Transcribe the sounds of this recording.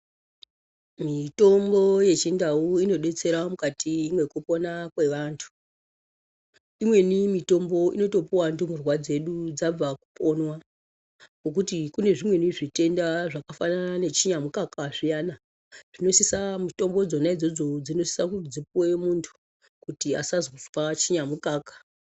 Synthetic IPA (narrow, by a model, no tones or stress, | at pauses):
mito̞mbo̞je̞t͡ʃindauino̞ɗe̞t͡se̞ɾamukatiimwe̞kupo̞nakwe̞ʋantʰu̥ | imwe̞nimito̞mbo̞ḭno̞to̞puwandumurwad͡ze̞ɗud͡zab͡vaku̥po̞nwa | kok̬utikune̞ʐimwe̞niʐite̞ndaʐakafananane̞t͡ʃiɲamukakaʐijaːna | ʐ̥ino̞sisamuto̞mbo̞d͡zo̞naid͡zo̞d͡zo̞d͡zino̞si̥sakud͡zip̚uwe̞muntʰu̥ | kutia̰sazo̥fat͡ʃiɲamukaːkḁ